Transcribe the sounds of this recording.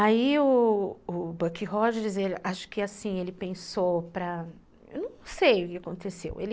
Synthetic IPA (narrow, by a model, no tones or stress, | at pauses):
aiʊː | bɐkiɦɔd͡ʒɛɾɪzelʔaʃʊ̥kɪasĩelɪpẽsowpɾɐ | ḛwnɐ̃ɐ̃w̃sejʊkɪakõnt̪esḛwḛlɪ